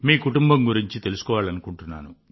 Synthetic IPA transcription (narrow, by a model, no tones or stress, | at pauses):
miːkuʈumbɐmɡuɾiɲt͡ʃit̪e̞lusu̥kɔːʋaːɭɐnukuɳʈunːaːnu